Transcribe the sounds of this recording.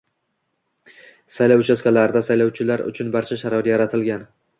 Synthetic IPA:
sajlawt͡ʃʰaskʲalaɾd̪asajlawt͡ʃʰɪlaɾʊ̰t͡ʃʰʊnbaɾt͡ʃʰaʃaɾɒɾjaɾat̪ʰɪlɡʲan

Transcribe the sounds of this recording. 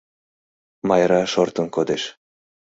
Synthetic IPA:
mɑjɾɑʃort̪ɤ̆nkod̪eʃ

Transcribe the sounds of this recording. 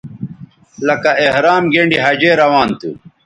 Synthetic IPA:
lɐkɐehɾaːmɡeːɳɖiɦɐd͡ʑeːɾɐwaːnt̪ṵ

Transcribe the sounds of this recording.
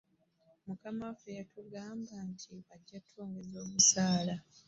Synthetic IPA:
mukamafejatʰuɡaːmbantʰiβaɟːatʰːoːŋɡezo̞ːβusaːla

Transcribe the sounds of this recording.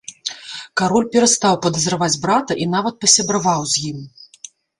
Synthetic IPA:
kaɾɔlʲpʲɛɾɐst̪awpɐd̪ɐzɾɐvad͡zʲbɾat̪ɐʔin̪avɐt̪̚pɐsʲɐbɾavawzʲjim

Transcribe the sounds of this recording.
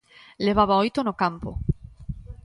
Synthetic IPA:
leβ̞aβaojt̪onokampo̰

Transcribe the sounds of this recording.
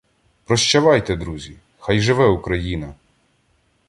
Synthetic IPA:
pɾɔʃt͡ʃɐʋɑjt̪ɛd̪ɾuzʲi | xɑjʒɪʋɛukɾɐjinɐ

